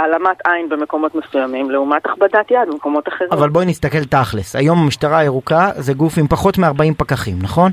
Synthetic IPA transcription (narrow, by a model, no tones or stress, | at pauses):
alamatajnbemeko̞mo̞t̪mesujamimleumat̪aχbadat̪jad̪bemko̞mo̞t̪aχeʁiavalbojnist̪ake̞lt̪aχlesa̰jo̞mamiʃtaʁaeʁukazeɡufimpaχo̞tmeaʁbaimpakaχimnaχo̞n